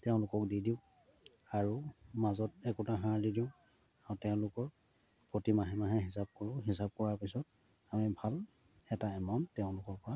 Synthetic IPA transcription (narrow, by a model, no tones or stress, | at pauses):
tɛʊ̃lʊkɔk̚didiʊ̃ | aɹumazɔtɛkutaɦãɹdidiʊ̃ | aʊtɛʊ̃lʊkɔɹpɹotimaɦɛmaɦaɦisab̚kɔɹʊ̃ɦisab̚kɔɹaɹpisɔt̚amibʱal | ɛtaɛmamtɛʊ̃lʊkɔɹpɔɹa